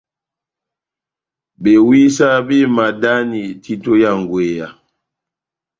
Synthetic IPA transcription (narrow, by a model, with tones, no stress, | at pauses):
ɓe˨wi˦sa˦bi˦ma˨da˦ni˨ti˦to˦ja˦˨ŋ˨ɡwe˨ja˨